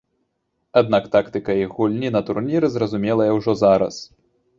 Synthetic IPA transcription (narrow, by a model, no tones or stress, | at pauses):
ad̪̚nakt̪akt̪ɨkɐiɣulʲnʲinɐt̪urnʲiɾɨzrɐzumʲɛlˠɐjɐwʐɔzaɾɐ̰s